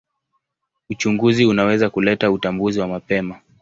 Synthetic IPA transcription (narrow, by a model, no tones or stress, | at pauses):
ut͡ʃuŋɡuziunawɛzakulɛtautambuziwamapɛma